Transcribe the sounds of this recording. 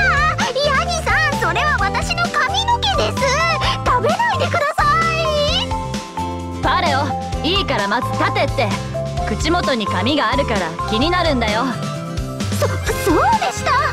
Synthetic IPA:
aɲ̟isãɰ̃so̞ɾe̞βaβat̪aɕino̞kamʲinoke̞d̪e̞sɨt̪abe̞naid̪e̞kɯ̟d̪asai | paɾeo | iːkaɾamazɨt̪at̪e̞t̪ːe̞ | kɯ̟t͡ɕimo̞t̪o̞ɲ̟ikamʲiɡaːɾɯ̟kaɾakʲiɲ̟inaɾɯ̟̃nd̪ajo̞ | sosoːd̪e̞ɕi̥t̪a

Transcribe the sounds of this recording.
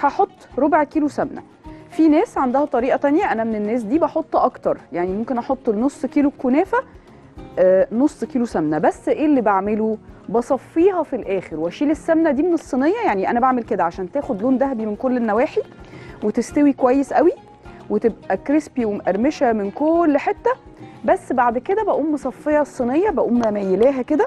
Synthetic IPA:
ħɑħot̪ˤːɾobʕkiːlosæmnæ̰ | finæːsʕand̪æhæt̪ˤɑɾiːʔɑt̪ænjæʔænæmenenːæːs̬d̪iːbɑħot̪ˤːʔɑkt̪ɑɾˤjaʕnimomkenʔɑħot̪ˤːnosˤːkiːlokonæːfæ | nosˤːkiːlosæmnæbæsːʔeːlːibaʕmelubɑsˤɑfːiːɦɑfilʔæːxeɾwæʃiːlesːæmnæd̪iːmenesˤːinejːɑjaʕniʔænæbaʕmelked̪æʕaʃæːnt̪æːxod̪loːnd̪æɦæbimenkolːenːæwæːħiwet̪est̪æwikowæjːesʔæwi | wet̪ebʔʔækɾespiwemʔæɾmeʃæmenkoːlːħet̪ːæ | bæsːbaʕd̪ked̪æbæʔuːmːesˤɑfːejːɑsˤːinejːɑbæʔuːmːæmæjelæːɦæked̪æ

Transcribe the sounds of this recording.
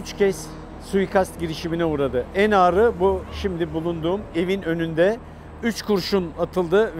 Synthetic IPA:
yt͡ʃcʰɛs | sujkʰast̪ɟiɾiʃiminɛuːɾad̪ɯænaːɾɯbuʃimd̪ibulˠund̪uːme̞vinø̞nynd̪ɛ | yt͡ʃkʰuɾʃunat̪ʰɯlˠd̪ɯ

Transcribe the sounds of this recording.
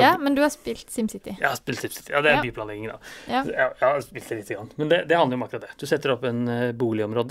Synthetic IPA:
ɑmɛnd̪ʉhɑspɪlt̪sɪmsɪt̪ɪjɑhɑspɪlt̪sɪmsɪ̥t̪ɪjɑd̪ɛæɾbyːplɑnɛɡɪŋənd̪ɑ̰jɑjhɑɾspɪlt̪d̪ɛlɪt̪ːəɡɾɑnːmɛnd̪ɛd̪ɛhɑnəɾʊɔmɑkːɾɑt̪̚ːd̪ɛd̪̥ʉsɛt̪ːəɾɔpːɛnbuːlɪɔmɾoːd̪ə

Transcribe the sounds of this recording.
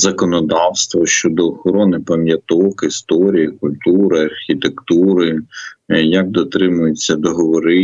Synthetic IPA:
zɐkɔnɔd̪ɑwst̪ʋɔʃt͡ʃɔd̪ɔːxɔɾɔnɪpɐmʲjɐt̪ɔkɪst̪ɔɾʲijɐkʊlʲt̪uɾɐɐrxʲit̪ekt̪uɾɪ | jɐk̚d̪ɔt̪ɾɪmʊjet͡sʲːɐd̪ɔɦɔʋɔɾɪ

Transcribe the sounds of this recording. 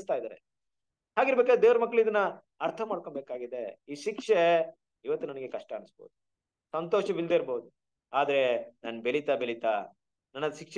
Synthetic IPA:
st̪aːjid̪aːɾe | haːɡiɾbekad̪ed̪eːʋɾɐmɐkːɭid̪ɐnːɐ | ɐɾt̪ʰɐmaːɽkoɳbe̞ːkaːɡid̪e̞iːʃikʂe | iʋɐt̪ːunɐnɐɡe̞kɐʂʈɐːnɐsbo̰ːd̪u | sɐnt̪oːʃɐʋild̪eiɾboːud̪u | aːd̪ɐɾe̞naːnbeɭit̪abelit̪a | nɐnːɐd̪ʃikʂ

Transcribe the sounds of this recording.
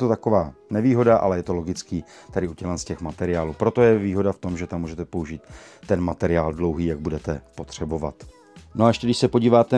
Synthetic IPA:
t̪ot̪ako̞vaːnɛviːɦo̞daʔa̰lɛjɛt̪o̞lo̞ɡɪt͡skiː | t̪adɪucɛlɛnscɛxmat̪ɛɾɪaːluːpɾo̞t̪o̞jɛviːɦo̞daft̪o̞mʒɛt̪amːuːʒɛt̪ɛpo̞uʒiːt̪ːɛnmat̪ɛɾɪaːldlo̞wɦiːjaɡ̚budɛt̪ɛpo̞t̪r̝̥ɛbo̞va̰t̪ | noaɛʃcɛɡdɪʃsɛpoɟiːvaːt̪ɛ

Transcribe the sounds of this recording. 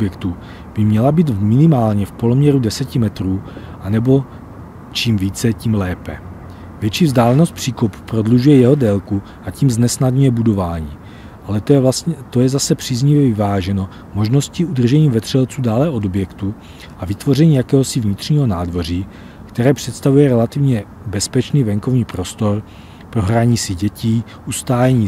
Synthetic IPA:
objɛkt̪u | b̥ɪmɲɛlabiːt̪mɪnɪmaːlɲɛfpo̞lomɲɛɾudɛsɛcɪmɛt̪ɾuː | ʔanɛbo̞ | t͡ʃiːmviːt͡sɛciːmlɛːpɛ | vjɛt͡ʃiːvzdaːlɛno̞st̪̚pr̝̥iːkopu̥pɾo̞dluʒujɛjɛɦo̞dɛːlku | ʔaciːmznɛsnadɲujɛbudo̞vaːɲiː | ʔalɛt̪o̞jɛzasɛpr̝̥iːzɲɪvjɛvɪvaːʒɛno̞ | mo̞ʒno̞sciʔud̪r̩ʒɛɲiːvɛt̪r̥ɛlt͡suːdaːlɛʔo̞do̞bjɛkt̪u | ʔavɪt̪vo̞r̝ɛɲiːjakɛːɦosɪvɲɪt̪r̝̥ɲiːɦo̞naːdvo̞r̝iː | kt̪ɛɾɛːpr̝̥ɛt̪st̪avujɛɾɛlat̪ɪvɲɛ | bɛspɛt͡ʃniːvɛŋkovɲiːpɾo̞st̪o̞ɾ | pɾo̞ɦɾaɲiːsɪɟɛciː | ʔust̪aːjɛɲiː

